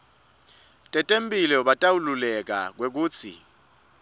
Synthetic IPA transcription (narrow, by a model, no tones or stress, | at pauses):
tʼɛtʼempʼilɛuɓatʼawululɛk̬a̰k̬wek̬uːt͡sʰḭ